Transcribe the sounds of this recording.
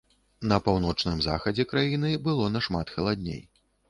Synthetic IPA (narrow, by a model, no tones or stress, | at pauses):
nɐpawn̪ɔt͡ʂnɨmza̰xɐd͡zʲɛkɾajinɨbɨlˠɔnɐʂmat̪xɐlˠad̪ʲnʲḛj